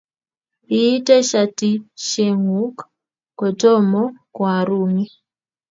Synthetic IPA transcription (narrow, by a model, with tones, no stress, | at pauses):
i˦tɛ˦ʃa˨ti˦ʃe˨ŋu˦k | ko˨tɔ˦mɔ˦kwa˨ɾu˦ŋi˦